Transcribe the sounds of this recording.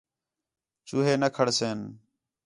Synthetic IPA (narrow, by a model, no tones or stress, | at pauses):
t͡ʃuːɦeːnəkʰəɽseːn